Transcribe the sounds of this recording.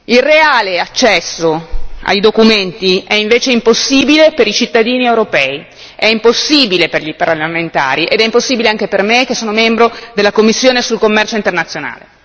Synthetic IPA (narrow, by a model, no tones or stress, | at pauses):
ilreaːleat͡ʃːɛsːoa̰jd̪okument̪iɛiɱveːt͡ʃeimposːiːbilepeɾit͡ʃit̪ːad̪iːniewɾopɛːi | ɛimposːiːbileperʎiparament̪a̰ːɾiʔḛd̪ɛimposːiːbileaŋk̟epermekːesːoːnomɛmbɾod̪elːakomːisːjoːnesulkomːɛrt͡ʃoint̪ernat̪sːjona̰ːle